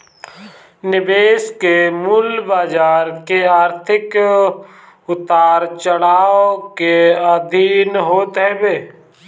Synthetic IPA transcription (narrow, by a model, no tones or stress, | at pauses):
nɪbeːskemʊlbaːd͡ʒaːɾkeaːɾt̪ʰɪk | ʊt̪aːɾt͡ʃəɽaːokead̪ʱiːnɦoːt̪ɦɛbeː